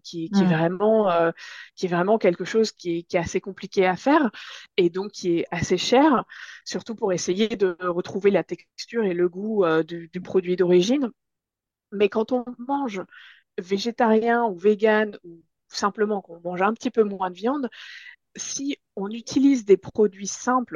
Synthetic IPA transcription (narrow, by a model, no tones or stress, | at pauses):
kʲiɛkʲiɛvʁɛmɑ̃økʲiɛvʁɛmɑ̃kʲɛlkəʃozkʲiɛkʲiɛt̪asekɔ̃plikʲeafɛʁed̪ɔ̃kːiɛaseʃɛʁsyʁt̪upuʁesejed̪əʁət̪χuvelat̪ɛkkst̪yʁeləɡuød̪yd̪ypχɔd̪ɥid̪ɔʁiʒin | mɛkɑ̃t̪ɔ̃mɑ̃ʒ | veʒet̪aʁjɛ̃uveɡʲanu | sɛ̃pləmɑ̃kɔ̃mɑ̃ʒɛ̃pə̥t̪ipømwɛ̃d̪əvjɑ̃d̪ | si | ɔ̃nyt̪ʰilizd̪epχɔd̪ɥisɛ̃pl